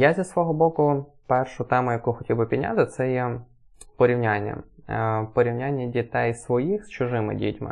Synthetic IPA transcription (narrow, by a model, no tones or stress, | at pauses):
jazʲɐsʋɔɦɔbɔkʊ | pɛrʃʊt̪ɛmʊjɐkuxɔtʲibɪpʲidʲnʲa̰t̪ɪt̪sɛjɛ | pɔɾʲiwnʲanʲːɐ̰pɔɾʲiwnʲanʲːɐdʲit̪ɛjsʋɔjixst͡ʃʊʒɪmɪ̰dʲḭtʲmɪ̰